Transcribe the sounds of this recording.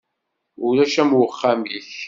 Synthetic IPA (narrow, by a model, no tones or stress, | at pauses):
ʊlæʃæmwəχːamiç